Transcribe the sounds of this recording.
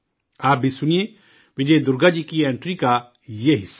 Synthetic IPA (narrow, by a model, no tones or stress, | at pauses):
aːp̚bʱisʊnije | ʋɪd͡ʒeːd̪ʊɾɡad͡ʒikiẽːɳʈɾika | jeɦɪsːa